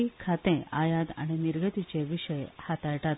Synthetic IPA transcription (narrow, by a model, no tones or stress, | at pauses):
ikʰat̪ẽajad̪a̰ɽ̃iniɾɡət̪it͡ɕeʋiɕəjhat̪aɭʈat̪